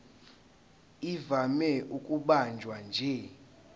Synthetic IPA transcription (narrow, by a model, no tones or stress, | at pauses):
ivamɛʔukʼuɓand͡ʒʱwand͡ʒʱɛ